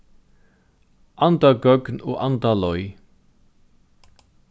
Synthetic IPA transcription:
ʔɑnd̪ɑɡœɡno̰ːʔɑnd̪ɑlɔʏ

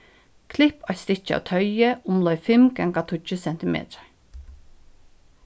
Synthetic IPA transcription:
kʰlɪpɑst̪ɪt͡ʃːəa̰wt̪ʰœʏəʔʊmlœʏfɪmɡɛŋkat̪ʰʊt͡ʃəsɛnt̪ɪmḛːt̪əɹ

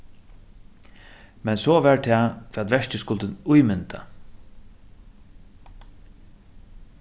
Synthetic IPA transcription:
mɛnsɔʋɛɹt̪ʰɛːfʰɾːat̪ʋɛʂcɪskʊlt̪ɪnʊjmʏnt̪a̰

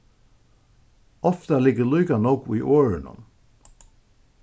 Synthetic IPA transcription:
ɔft̪alɪɡəluːkanɔkḭːʔoːɹɪnʊ̰n

